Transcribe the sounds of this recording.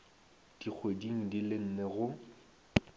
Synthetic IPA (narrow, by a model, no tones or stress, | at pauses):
d̥ik͡xʰwediŋ̩dilɪn̩nɛɣʊ